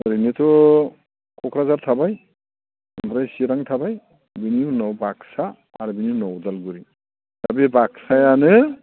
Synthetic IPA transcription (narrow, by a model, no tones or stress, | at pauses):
ɯɾinitɔ | kɔkɾazaɾtʰabaj | ampʰɾajsiɾaŋtʰabaj | biniunɔwbaksaː | ɾɯbininɔwdalɡuɾi | tabibaksajanɯ